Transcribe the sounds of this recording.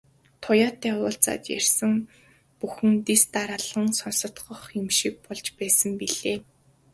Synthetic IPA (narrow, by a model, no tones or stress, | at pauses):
t̪ʰʊjaːt̪ːæːʊːɮt͡sa̰ːt̪jæ̰r̥ʲsə̆ŋ | puxɘ̆nt̪ist̪aɾaɮə̆ŋsɔnsɞ̆t̪ɢɞ̆χemʃik̚pɔɮt͡ɕpæːsə̆mpiɮ̥eː